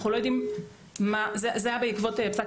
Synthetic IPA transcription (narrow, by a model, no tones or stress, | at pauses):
χnulo̞jod̪im | mazezeajabeikvo̞tepsak